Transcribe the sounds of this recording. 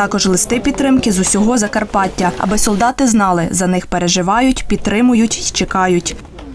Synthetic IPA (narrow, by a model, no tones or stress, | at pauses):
ɑkɔʒlˠɪst̪ɪpʲid̪t̪ːɾɪmkɪzʊsʲɔɦɔzɐkɐrpɑtʲːɐɐ̰bɛsɔlˠd̪ɑt̪ɪznɑlˠɪzɐnɪxpeɾeʒɪʋɑjʊtʲpʲid̪̚t̪ːɾɪmʊjʊtʲit͡ʃekɑjʊtʲ